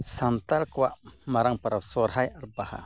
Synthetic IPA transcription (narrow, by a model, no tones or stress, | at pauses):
sant̪aɾkwaʔmaɾaŋpaɾawsoɾɦajaɾbaha̰